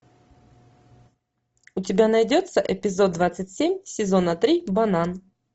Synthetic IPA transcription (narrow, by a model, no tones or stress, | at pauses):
ʊtʲɪbʲanɐjdʲo̞t̪səʔɪpʲɪzo̞d̪̚d̪vat̪sɨtʲsʲemʲsʲɪzo̞nət̪ɾʲibɐnan